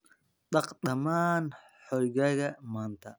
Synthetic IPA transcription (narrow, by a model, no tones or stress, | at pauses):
d̪ɐqd̪ɐmaːn | ħɔjɣɐɣɐmaːnt̪ʰɐ